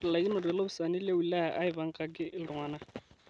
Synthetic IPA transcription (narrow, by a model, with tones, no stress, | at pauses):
la˨i˦nɔ˨dɛ˨lo˦bʊ˦sa˨nɪ˦le˦ʊ˨la˦a̰˨ʔa˦ɪ˨ba˨ŋ̩˦kʼa˨kʼɪ˦ʔɪ˦lŋaː˦na˦˨